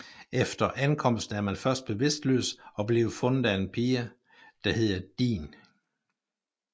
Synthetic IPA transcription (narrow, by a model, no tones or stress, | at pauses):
ʔefd̥ɐʔænkʰɒ̽m̰sd̥n̩æɐmænfɶɐsd̥̚b̥e̝ʋe̝sd̥lø̰ːsɒ̽b̥le̝ʊfɔ̽nð̩ˠæe̝npʰiːɐ | d̥ɑ̈he̝ð̰ˠɐd̥ḭːn